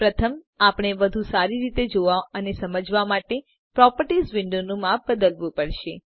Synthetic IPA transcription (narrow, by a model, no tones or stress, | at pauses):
pɾət̪ʰəm | apɽ̃eʋəd̪ʱũsaɾiɾit̪ed͡ʒoʋaənesəməd͡ʒʋamaʈe | pɾɔpəɾʈisʋɪɳɖonũmap̚bəd̪əlʋũpəɽʃe